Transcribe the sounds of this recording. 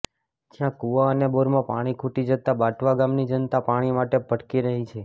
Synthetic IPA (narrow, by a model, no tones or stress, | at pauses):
d͡ʒjãkuaəneboɾmãpa̰ɽ̃ikʰuʈid͡ʒət̪abaʈʰʋaɡamnid͡ʒənt̪apaɽ̃imaʈebʱəʈkiɾəɦit͡ʃʰe